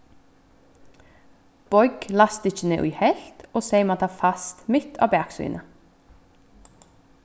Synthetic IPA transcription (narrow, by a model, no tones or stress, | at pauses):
b̥ɔʏɡ̥lɑst̪ɪçəneːʔʉ̰ːhɛlt̪oːseɪmɑːt̪ʰɑːfɑst̪mɪt̪ʰɑ̰ːbæːksy̰ːnʔə